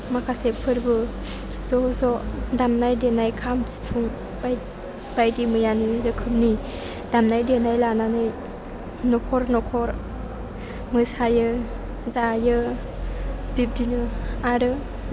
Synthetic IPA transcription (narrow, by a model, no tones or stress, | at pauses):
makʰasepʰɯɾbɯ | zɔzɔdamnajdenajkʰamspʰuŋ | ba | b̥ajdimɯjaniɾɯkʰɯmni | damnajdenajlananɯj | nɔkʰɔɾnɔkʰɔɾ | mɯsajɯ | zajɯ | bip̚dinɯaɾɯ